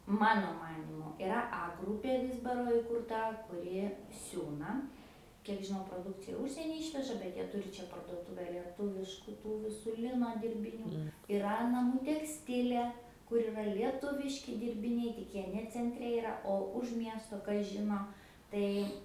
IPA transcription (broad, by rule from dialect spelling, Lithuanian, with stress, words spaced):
ˈmɑːnoː ˈmɑːnʲiːmʊ ɪˈrɐ ɐ ˈɡruːpʲeː ˈʋʲiːzbɐroː ɪkuːrˈtɐ kʊˈrʲɪ ˈsʲuːnɐ ˈkʲiɛk ʒʲɪˈnɐʊ proːˈdʊkt͡sʲɪjɛ ˈʊʃʲsʲiɛnʲiː ˈɪʃʲʋʲɛʒɐ bʲɛt ˈjiɛ ˈtʊrʲɪ ˈt͡ʃʲɛ pɐrduɔˈtuːʋʲɛ lʲiɛˈtʊʋʲɪʃkʊ ˈtuː ʋʲɪˈsuː ˈlʲɪnoː dʲɪrʲbʲɪˈnʲuː ɪˈrɐ nɐˈmuː tʲɛksʲˈtʲɪlʲeː kʊr ɪˈrɐ lʲiɛˈtʊʋʲɪʃʲkʲɪ dʲɪrʲbʲɪˈnʲɛɪ tʲɪk ˈjiɛ nʲɛ t͡sʲɛnʲˈtʲrʲɛ ɪˈrɐ oː ʊʃ ˈmʲiɛstoː ˈkɐs ˈʒʲɪnoː ˈtɐɪ